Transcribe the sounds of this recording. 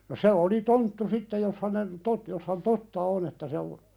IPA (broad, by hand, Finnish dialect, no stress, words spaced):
no se oli tontːu sitːej̆ jos hænen tot jos hæn totːɑ on etːæ se o